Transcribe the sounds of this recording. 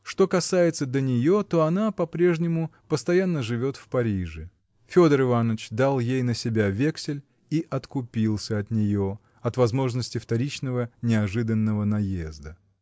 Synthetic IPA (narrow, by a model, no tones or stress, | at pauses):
ʂt̪o̞kɐsajɪt̪səd̪ʲənʲɪjo̞t̪o̞ɐnapɐpɾʲe̞ʐnʲɪmʊpəst̪ɐjanːəʐɨvʲo̞t̪fpɐɾʲiʐɨ | fʲo̞d̪əɾɨvanːət͡ɕd̪alˠjejnəsʲɪbʲavʲeksʲɪlʲ | iʔɐt̪kʊpʲilˠsʲəɐt̪nʲɪjo̞ | ɐt̪vɐzmo̞ʐnəsʲtʲɪft̪ɐɾʲit͡ɕnəvənʲɪɐʐɨd̪ənːəvənɐjezd̪ə